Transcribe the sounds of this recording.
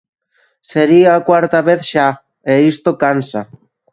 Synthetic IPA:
seɾiːkwaɾt̪aβeθʃa | eist̪okansa

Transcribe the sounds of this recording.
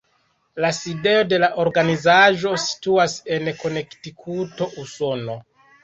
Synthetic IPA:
laside̞o̞de̞laʔo̞ɾɡanizaʒo̞si̥tuase̞nko̞ne̞ktikʰuto̞ʔuso̞no̞

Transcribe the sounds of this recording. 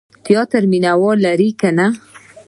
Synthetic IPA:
t̪jɑt̪aɾminawɑlaɾikana

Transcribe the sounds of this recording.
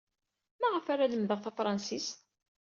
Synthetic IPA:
maʁəfaɾaləmðəʁθæfɾˤɑnsis

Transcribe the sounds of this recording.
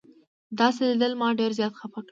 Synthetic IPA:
d̪ɑselid̪əlmɑɖeɾzjɑt̪xafakɽ

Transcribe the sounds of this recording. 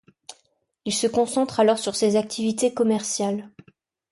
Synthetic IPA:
ilsəkɔ̃sɑ̃t̪χalɔʁsyʁsezak̚t̪ʰivit̪ekɔmɛʁsjal

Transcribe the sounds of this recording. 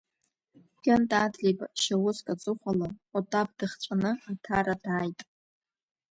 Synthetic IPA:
ɡʲantʼadlebʼaʃawʊskʼat͡sʼɨχʷalaatʼab̚dɨχt͡sʷʼanɨatʰaɾadaːjtʼ

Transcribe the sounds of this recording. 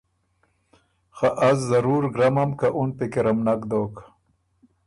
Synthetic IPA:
xaʔazzaɾuːɾɡɾamamkaʔunpekeɾamnakd̪oːk

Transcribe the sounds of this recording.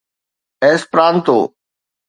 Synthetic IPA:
eːspɾaːnt̪o̰ː

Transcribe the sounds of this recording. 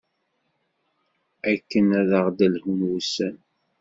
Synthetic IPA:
ækːənæðəʁd̪ælhunwusæn

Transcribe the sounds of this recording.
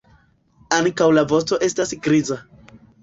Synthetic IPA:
aŋkawlavo̞sto̞ʔe̞stasɡɾiza

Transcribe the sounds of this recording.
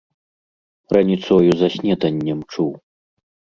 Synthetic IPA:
rɐnʲit̪sɔjuzɐsʲnʲɛt̪ɐnʲːɛmt͡ʂuw

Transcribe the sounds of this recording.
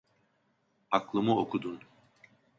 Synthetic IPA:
aklˠɯmuokʰud̪un

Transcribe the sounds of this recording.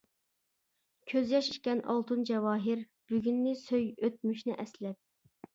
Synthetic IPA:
kʲʰøzjɑʃi̥ʃkʲɛnʔɑ̰lˠt̪ʰɨnd͡ʒɛwɑːɦɪɾ | b̥yɡʲynːɪsøjøt̪̚myʃnɪʔɛslɛp̚

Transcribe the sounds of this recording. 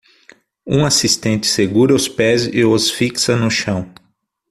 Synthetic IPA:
ũasist̪ẽnt͡ʃ̪ɪ̥seɡuɾɐʊspɛzɪosfiksɐnʊʃɐ̃w̃

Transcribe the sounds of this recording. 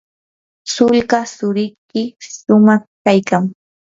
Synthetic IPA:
sʊlɢasʊɾɪjkɪsʊmɑχkajkaŋ

